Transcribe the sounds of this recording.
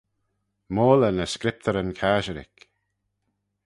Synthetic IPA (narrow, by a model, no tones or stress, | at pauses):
moːlənəskɾɪp̚t̪ʰəɾənkʰaːʒəɾɪ̰k